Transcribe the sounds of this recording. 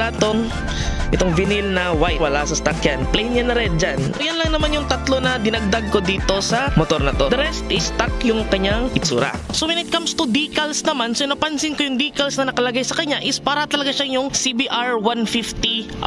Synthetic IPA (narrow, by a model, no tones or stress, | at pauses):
lat̪oŋ | ʔɪt̪oŋvɪnilnɐwajwɐlasɐst̪ak̚janplɛjnɲanɐɾɛn̚d͡ʒanojanlɐŋnɐmanjʊŋt̪ɐt̪lo̞nɐd̪ɪnɐɡ̚d̪aɡ̚ko̞d̪iːt̪o̞sɐmot̪oɾnɐt̪od̪ɐɾɛst̪ʔɪst̪akjʊŋkɐɲaŋʔɪt̪sṵːɾa̰sowɛnɪt̪̚kamst̪ud̪iːkɐlsnɐmansonɐpɐnsɪnkojʊŋd̪iːkɐlsnɐnɐkɐlɐɡajsɐkɐɲaʔɪspaːɾɐt̪ɐlɐɡaʃaŋjʊŋsibiʔaɹwanfift̪iʔ